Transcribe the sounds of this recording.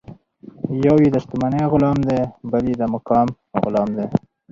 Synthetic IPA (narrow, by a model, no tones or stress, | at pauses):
jawid̪ast̪umaneɣʊlɑːmd̪ebalid̪amʊkɑːm | ɣʊlɑːmd̪e